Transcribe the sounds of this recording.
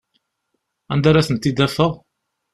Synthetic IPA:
ænd̪æɾæθənt̪ːid̪æfəʁ

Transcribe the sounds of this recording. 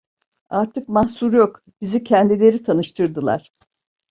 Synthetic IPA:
aɾt̪ʰɯkmahsuɾjo̞k | bizicʰɛnd̪ilʲe̞ɾit̪ʰanɯʃt̪ʰɯɾd̪ɯlˠa̰ɾ̥

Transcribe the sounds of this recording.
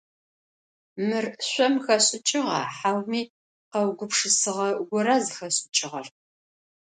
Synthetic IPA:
mɨrɕʷɔmxɐɕʼɪt͡ʃʼɪʁɑ̰ħawmiː | qɐwɡʷʊpʂɨsɨʁɐɡʷʊɾazɨxɐɕʼɪt͡ʃʼɪʁɐr

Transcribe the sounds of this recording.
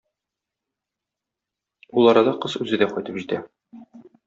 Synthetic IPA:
ulˠɒɾɑd̪ɑqɤzʉzɘd̪æqɒjt̪ɤpʑit̪æ

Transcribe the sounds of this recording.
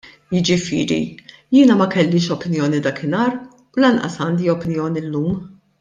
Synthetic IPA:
jɪd͡ʒɪfɪ̰ːɾḭjɪːnɐmɐkɛlːɪːʃɔpɪnjɔːnid̪ɐkɪnɐːɾ | ulɐnʔɐ̰sɐːnd̪iɔpɪnjɔːniɪlːuːm

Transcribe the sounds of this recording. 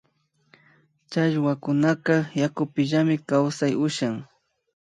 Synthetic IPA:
t͡ʃaʒwakʊnaqɑjakʊpɪʒamɪkawsajʊʃaŋ

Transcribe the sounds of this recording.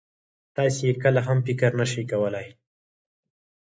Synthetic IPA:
t̪ɑsejekəlaɦampɪkaɾnəʃikawəlaj

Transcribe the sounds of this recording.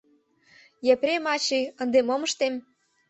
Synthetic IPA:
jepɾʲemɑt͡ɕiə̆nd̪emomɤ̆ʃt̪em

